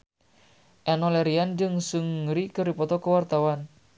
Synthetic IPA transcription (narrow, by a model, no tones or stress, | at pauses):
ʔɛnɔlɛɾiand͡ʒɨŋsuŋɾikəɾipɔt̪ɔkəwart̪awan